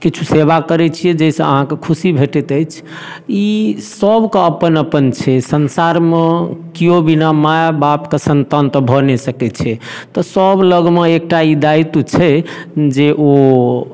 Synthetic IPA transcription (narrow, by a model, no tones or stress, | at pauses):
kit͡ʃʰuseβakəɾɛt͡ʃʰijɛd͡ʒəisə̃ə̰ɦãkekʰusibʱeʈɛt̪əjt͡ʃʰ | isəbkeəpənəpənt͡ʃʰɛsənsaɾmekijobinamajabapkesənt̪ant̪əbʱɔnesəkɛt͡ʃʰɛt̪ɔsəbləɡmeek̚ʈaid̪ait̪ut͡ʃʰɛd͡ʒeʔo